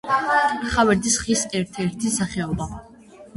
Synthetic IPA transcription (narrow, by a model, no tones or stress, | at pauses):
χavɛɾd̪isχisɛɾt̪ʰɛɾt̪ʰisaχɛɔba